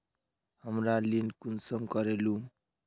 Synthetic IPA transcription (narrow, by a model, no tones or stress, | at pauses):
hʌmɾalinkunsʌmkʌɾelu